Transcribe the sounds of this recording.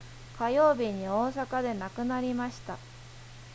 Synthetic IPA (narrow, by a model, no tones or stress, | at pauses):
kajo̞ːbʲiɲ̟io̞ːsakad̪e̞nakɯ̟naɾʲimaɕi̥t̪a